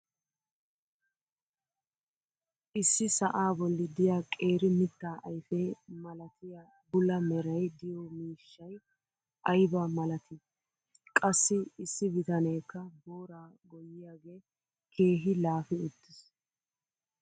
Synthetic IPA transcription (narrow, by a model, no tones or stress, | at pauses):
ʔɪsːɪsɐʔaːbɔlːɪd̪ɪjaːkʼe̞ːɾɪmɪt̪ːaːʔɐjfɛːmɐlɐt̪ɪja | bʊlɐmɛɾɐjd̪ɪjɔmiːʃːɐj | ʔɐjbɐmɐlɐt̪ɪ | kʼɐsːɪɪsːɪbɪt̪ɐnɛjkːɐboːɾaːɡɔjɪjaːɡe̞ː | kʰe̞ːɦɪlaːfɪʊt̪ːɪs